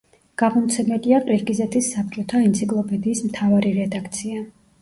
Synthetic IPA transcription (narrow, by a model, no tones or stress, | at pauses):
ɡ̥amɔmt̪sʰɛmɛliaqʼɾiɾkʼizɛt̪ʰisːap̚t͡ʃʼɔt̪ʰaint̪sʰikʼlˠɔpʰɛd̪iːsmt̪ʰavaɾiɾɛd̪akʰt̪sʰia